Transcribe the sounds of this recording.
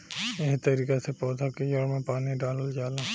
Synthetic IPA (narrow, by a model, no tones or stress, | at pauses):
eɦt̪ɐɾiːkesepɔːd̪ʱakejɔɾmẽpaːniɖaːlld͡ʒaːlaː